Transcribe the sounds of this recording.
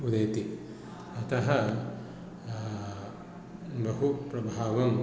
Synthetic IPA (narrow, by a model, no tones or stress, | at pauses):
ud̪ɐjt̪i | ɐt̪ɐɦɐ | bɐɦupɾɐbʱaːʋɐm